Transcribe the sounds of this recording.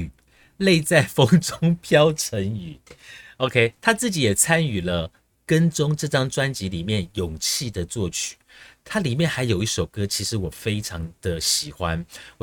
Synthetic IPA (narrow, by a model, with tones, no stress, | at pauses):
le˥˧ɪt͡sa˥˩ɪfɤ˥ŋʈ͡ʂʊ˥ŋpʰjɑ˥ʊʈ͡ʂʰə˧˦˥ŋy˨˩˦o˧ʊkʰe˥ɪt̪ʰa˥t͡sɹ̩˥˩t͡ɕi˨˥jɛ˨˩t͡sʰa˦˥ny˨˩lə˦ | kə˦nʈ͡ʂʊ˥ŋʈ͡ʂɤ˥˧ʈ͡ʂɑ˥ŋʈ͡ʂwa˥nt͡ɕi˧˥li˨˩mjɛ˥˩njʊ˨˩ŋt͡ɕʰi˥˩d̪ə˨t͡swɔ˥˨t͡ɕʰy̥˨˩˦t̪ʰa˥li˨˩mjɛ˥˨nxa˧˥ɪjo˨˩ʊi˥˩ʂo˨˩ʊkɤ˥t͡ɕʰi˧˥ʂɻ̩˧˥wɔ˨˩fe˥ɪʈ͡ʂʰɑ˧˥ŋd̪̥ə˨ɕi˨˩xwa˦nw